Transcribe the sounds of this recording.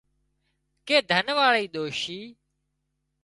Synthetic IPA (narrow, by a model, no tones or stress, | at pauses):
keːd̪ʱənʋaːɭiːɗ̪oːʃiː